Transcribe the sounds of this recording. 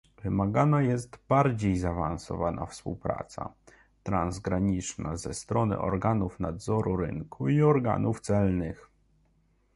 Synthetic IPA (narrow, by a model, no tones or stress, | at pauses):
vɘmaɡanajɛst̪baɾd͡ʑejzaːvansɔ̰vanʔa̰fspuwpɾa̰t̪sa̰ | t̪ɾanzɡɾaɲit͡ʂnazɛst̪ɾɔnɘ̰ʔɔ̰ɾɡanufnad̪zɔɾuɾɘ̰ŋkʰuiɔɾɡa̰nʔuft̪sɛlnɘx